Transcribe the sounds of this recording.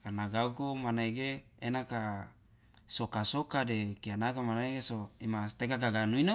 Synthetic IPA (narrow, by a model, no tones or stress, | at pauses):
anaɡaukomanaiɡeː | naka | sokasokadekianakamanaiɡesoimast̪ekaɡaɡanuino